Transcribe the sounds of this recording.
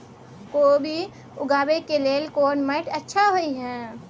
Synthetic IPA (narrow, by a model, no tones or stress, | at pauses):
kobʱi | ʊɡaːbekeleːlkoːɾnmeʈətːʃʰaɦoiɦɛ̃ː